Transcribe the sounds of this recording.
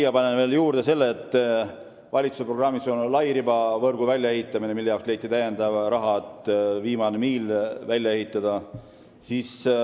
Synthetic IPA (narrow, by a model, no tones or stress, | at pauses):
jɑpɑnenveːljuːɾd̪̥e̞se̞lːeːt̪ːˑ | vɑlʲit̪su̥seproɡrɑmːiso̞nlɑjɾibɑvɤrɡ̥uvælʲjɑe̞ɦit̪ːˑɑminemilːejɑwksle̞jt̪ːˑit̪æjend̪ɑvɾɑɦɑet̪ːˑviːmɑnemiːlvælʲjɑe̞ɦit̪ˑːɑd̪̥ɑ | siːs